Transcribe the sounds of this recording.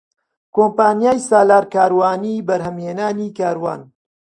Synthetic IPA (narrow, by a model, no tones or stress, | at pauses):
koːmpaːnijaːjsaːlaːɾkaːɾwaːniːbɐɾhəmhenaːnikaːɾwa̰ːn